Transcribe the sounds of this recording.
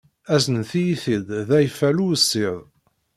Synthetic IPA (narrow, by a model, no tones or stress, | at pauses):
æzənθijiθid̪ðæjfæluəsːiðˤ